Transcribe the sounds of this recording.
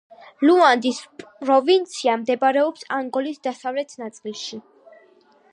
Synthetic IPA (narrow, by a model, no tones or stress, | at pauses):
luand̪ispʼɾɔvint̪sʰiamd̪ɛbaɾɛɔpsaŋɡɔlisd̪asavlɛt̪ʰnat̪sʼilˠʃi